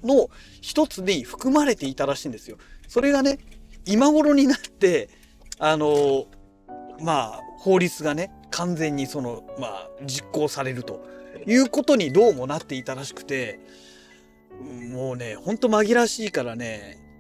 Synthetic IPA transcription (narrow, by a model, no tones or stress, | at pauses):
no̞ | çi̥t̪o̞t͡sɨɲiɸɯ̟̥kɯ̟maɾe̞t̪e̞it̪aɾaɕĩːnd̪esɨjo̞so̞ɾe̞ɡane̞imaɡo̞ɾo̞ɲ̟inat̪ːe̞ | ano̞ | maːho̞ːɾʲit͡sɨɡane̞ | kʰãnd͡zẽ̞ɲ̟ːiso̞no̞ma̰ːd͡ʑikːo̞ːsaɾe̞ɾɯ̟t̪o̞jɯ̟ːko̞t̪o̞ɲ̟id̪o̞ːmo̞nat̪ːe̞it̪aɾaɕi̥kɯ̟̥t̪e̞ | ɯ̃mo̞ːne̞hõ̞nt̪o̞maɡʲiɾaɕiːkaɾane̞